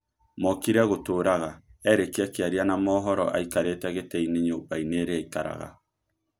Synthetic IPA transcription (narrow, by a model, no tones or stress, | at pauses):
mɔkiɾeaɣotoːɾaɣaɛɾekeakeaɾianamɔɦɔɾɔʔa̰ikaɾetɛɣetɛineɲobaineɾeaikaɾa̰ɣa̰